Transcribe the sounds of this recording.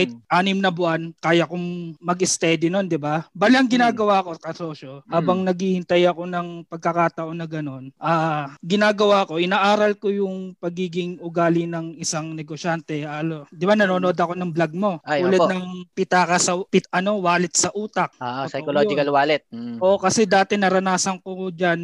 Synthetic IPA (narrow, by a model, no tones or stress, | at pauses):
ahɪt̪̚ʔaːnɪmnɐbʊankaːjɐkʊŋmɐɡɛst̪ɛd̪ɪno̞nd̪ɪbabalɐŋɡɪnaːɡɐwaːko̞kɐso̞ːʃohaːbɐŋnɐɡiːhɪnt̪ɐjɐko̞nɐŋpɐɡ̚kɐkaːt̪ɐʔo̞nɐɡɐno̞nʔaːɡɪnaːɡɐwaːko̞ʔɪnaːʔaːɾɐlko̞jʊŋpɐɡiːɡɪŋʔʊɡaːlɪnɐŋɪsaŋnɛɡoʃant̪ɛaːlod̪ɪbanɐnoːnood̪ɐko̞nɐŋblɐɡ̚mo̞uːlɐd̪nɐŋpɪt̪akɐsɐpɪt̪ʔɐno̞waːlɪt̪̚sɐʔuːt̪ɐk̚oːʔsɐjkolod͡ʒɪkɐlwaːlɛt̪̚ʔoʔkɐsɛd̪aːt̪ɛnɐɾɐnaːsɐnko̞d͡ʒan